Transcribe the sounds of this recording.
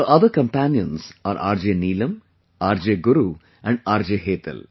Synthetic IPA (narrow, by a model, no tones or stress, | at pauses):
əʔɐd̪əɾkɐ̃mpænijə̃nsaːɾʔa̰ːɾd͡ʒeːniːlɐ̃m | aːɾd͡ʒeːɡʊɾu | ɛ̃ɳɖaːɾd͡ʒeːɦeːt̪ɐ̰l